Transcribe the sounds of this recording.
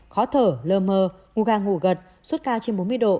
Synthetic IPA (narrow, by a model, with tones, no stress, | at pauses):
xɔ˨˦t̪ʰəː˧˩ləː˧məː˧ | ŋu˧˩ɣaː˧˩ŋṵ˧˩ɣə˨˩t̚ | swə˦˥t̚kaː˧wt͡ɕe˧nɓo˨˦nmɨ˧əjɗo̰˧˨